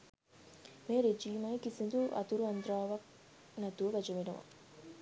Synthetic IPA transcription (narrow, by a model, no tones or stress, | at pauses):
meːɾed͡ʒiːmɐjikisind̪uʔɐ̰t̪uɾuɐnd̪ɾaːʋɐk̚ | næt̪uʋəʋæd͡ʒɐʋenuʋa̰